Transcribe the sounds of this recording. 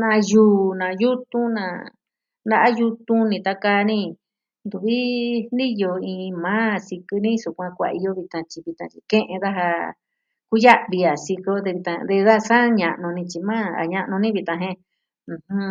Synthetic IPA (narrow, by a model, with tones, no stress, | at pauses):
nã˧juː˨˧˦nã˨ju˦t̪ũ˦nã̰˧˨ | nd̪a˦ʔa˦ju˧t̪ũ˦nĩ˧t̪a˧ka˧nĩ˦˧ | nd̪u˨βi˦ni˦jo˧ĩ˧mãː˦si˧kɨ˧nĩ˦su˧kʷã˧kʷa̰˧i˧jo˧βi˧t̪ã˧t͡ʃi˧βi˧t̪ã˧t͡ʃi˧kẽ˦ʔẽ˧ða˦ɦa˧ | ku˦ja˦ʔβi˧a˨si˧ko˧d̪e˧βi˧t̪ã˧d̪e˧ða˦˧sa˦ɲã˧ʔnũ˧nĩ˧t͡ʃi˧mãː˦a̰˨ɲã˧ʔnũ˧nĩ˦βi˧t̪ã˧ɦẽ˧ | ũ˧hũ˦